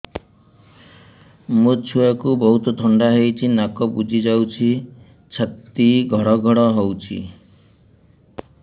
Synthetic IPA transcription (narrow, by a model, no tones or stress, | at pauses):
mut͡ʃʰuakubɔɦut̪ɔt̪ʰɔɳɖaɦejt͡ʃʰinakɔbud͡ʒʱid͡ʒawt͡ʃʰi | t͡ʃʰat̪ːiɡʱɔɽɔɡʱɔɽɔɦowt͡ʃʰḭ